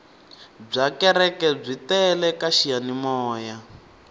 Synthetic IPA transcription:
b͡ʐakɛɾɛkɛb͡ʐitɛlɛkaʃijanimɔːja

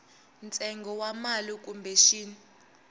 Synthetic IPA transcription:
nt͡sʼɛŋɡʱɔwamalik̬ʼumbʱeʃiːni

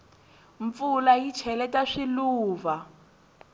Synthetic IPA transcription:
ɱp̪fulajit͡ʃʰɛlɛtaʂiluːva

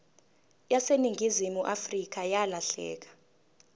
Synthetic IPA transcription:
jaseniŋʱizimuʔafrik̬ajalaɬɛ̰ːk̬ḁ

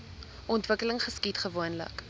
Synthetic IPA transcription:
ʔɔntvəkələŋχəskitχəvuənlə̰k

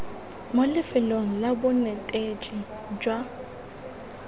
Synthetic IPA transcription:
molɪfɪloŋ̩labʊnɛtʼet͡ʃʼi | d͡ʒwa

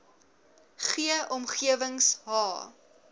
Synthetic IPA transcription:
χiəʔɔmχiəvəŋsɦɑː

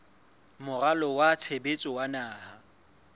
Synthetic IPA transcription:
mʊralɔwat͡sʰebet͡sʼɔwanaːha

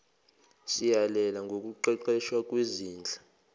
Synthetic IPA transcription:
sijalɛlaŋɡʱok̬ʼuǃɛǃɛʃwak̬ʼweziːnd͡ɮʱḁ

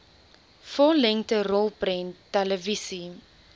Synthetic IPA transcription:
fɔlɛŋtəɾolˠprɛ̃ntːɛləvisi

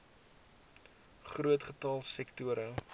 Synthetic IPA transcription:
χruətχətɑlˠsɛktuəɾə

